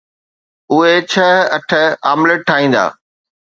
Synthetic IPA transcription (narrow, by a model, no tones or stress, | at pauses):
ʊɦet͡ɕʰɐɦɐʈʰəa̰ːmləʈʰːaːĩːn̆d̪a̰ː